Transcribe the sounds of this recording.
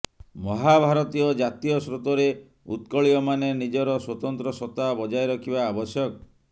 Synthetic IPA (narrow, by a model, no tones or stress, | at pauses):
mɔɦabʱaɾɔt̪iɔd͡ʒat̪ijɔsɾot̪ɔɾe | ut̪kɔɭiɔmanenid͡ʒɔɾɔswɔt̪ɔnt̪ɾɔsɔt̪ːabɔd͡ʒajɾɔkʰibaːbɔsjɔkɔ